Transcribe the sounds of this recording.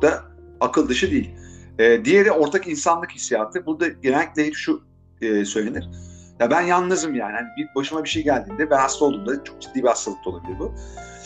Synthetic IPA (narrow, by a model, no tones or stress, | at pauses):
d̪aakʰɯlˠd̪ɯʃɯd̪ejilʲɛːd̪ijed̪ɛo̞ɾt̪ʰakinsanlˠɯkhisijaːt̪ʰɯbuɾd̪aɟenɛlʲicʲlʲejilʲʃu | ɛːsø̞jlʲeniɾ̥ | jabænjanːazɯmjaːnihanibibaʃɯmabiʃejɟælʲd̪iːnd̪ɛvɛhast̪olˠuːmd̪at͡ʃʰo̞k̚d͡ʒid̪ːiːbihast̪alˠɯk̚t̪ʰoabilʲiɾbʊ